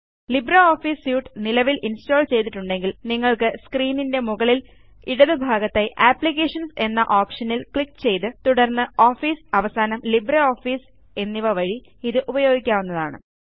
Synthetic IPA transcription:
librɐoːfiːsjuːʈːɨnilɐʋilʔinsto̞ːɭt͡ɕe̞jt̪̬ːiʈːuɳɖe̞ŋɡilniŋːɐɭkɨskriːninde̞muɣɐɭil | iɽɐðɨbʱaːɡɐt̪ːɐjʔaːpɭikːeːʂɐnse̞nːɐʔoːpʂɐnilkɭikːt͡ɕe̞jt̪ɨt̪uɽɐrnːɨoːfiːsɐʋɐsaːnɐmlibrɐoːfiːs | e̞nːiʋɐʋɐɻi | iðɨʔubɐjo̞ːɡikʲːaːʋunːɐðaːɳɨ̰

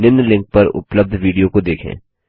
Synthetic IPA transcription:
nɪnlɪ̃ŋk̚pɐɾʊ̰pləb̚d̪ʱʋiːɖijokod̪eːkʰḛ̃ː

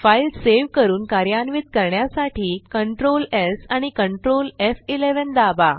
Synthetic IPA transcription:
failseʋkəɾuːnkaɾjanʋid̪̚kəɾɳjasaʈʰiːkəɳʈɾolesaɽ̃ikəɳʈɾolefileʋənd̪aba

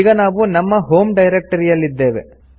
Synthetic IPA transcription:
ɡɐnaːʋunɐmːɐɦo̞ːmɖɐjɾek̚ʈɐɾijɐlːid̪ːeːʋḛ

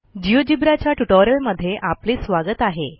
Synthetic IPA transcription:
d͡ʑiʋəd͡ʑibɾat͡ɕjaʈuʈoɾjəlməd̪ʱːjeʔapliːsʋaɡət̪aɦe

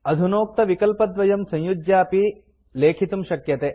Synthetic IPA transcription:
ɐd̪ʱunoːk̚t̪ɐʋikɐlpɐd̪ʋɐjɐmsɐ̃ɲjud͡ʒjaːpi | leːkʰit̪umʃɐkjɐt̪eː

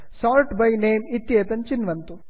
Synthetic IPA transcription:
sɔːlʈbɐjneːmit̪jeːt̪ɐnt͡ʃinʋɐnt̪u

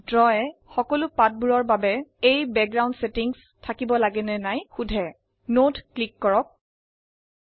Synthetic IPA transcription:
dɹɔɛxɔkɔlʊpat̚buɹɔɹbabɛejbɛk̚ɡɹawndsetiŋs | tʰakibɔlaɡɛnɛnajxudʱɛ | notklikːɔɹɔk̚

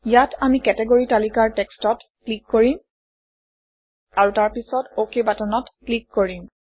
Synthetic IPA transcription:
ijatʰamikɛtɛɡoɹitalikaɹtɛkstɔtklikːoɹim | aɹutaɹpisɔtokebatanɔtklikːoɹim

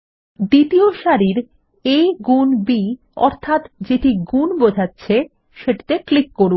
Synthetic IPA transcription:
d̪it̪ioʃaɾiɾ | eɡunbi | ɔ̰ɾt̪ʰat̪d͡ʑeʈiɡunbod͡ʑʱatːɕʰe | ʃeʈi̥t̪eklikːoɾun

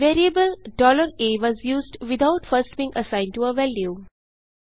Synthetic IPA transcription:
ʋeːɾiəbəlɖɔːləɾeːʋɔːzjuːzɖʋɪd̪aʊʈfəɾsʈ̚bĩːŋɡʔəsãɪ̃nɖʈuəʋɛlju

